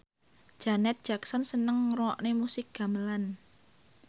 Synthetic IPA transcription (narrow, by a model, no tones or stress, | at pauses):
d̥ʒ̥a̤nɛt̪̚d̥ʒ̥aksɔnsənəŋrɔɔʔnemusɪk̚ɡ̥a̤məlan